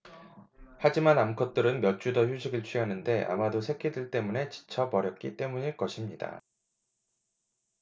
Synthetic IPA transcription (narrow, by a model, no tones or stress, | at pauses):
had͡ʑimanamkʰʌt̚t͈ɯɾɯnmjʌt͡ɕ͈udʌçjuɕʰiɡɯɭt͡ɕʰɥiɦanɯnde̞ʔa̰madosʰe̞kʰidiɭt͈e̞mune̞t͡ɕi̥t͡ɕʰʌpʌɾjʌp̚k͈it͈e̞muɲiɭk͈ʌɕʰimɲida̰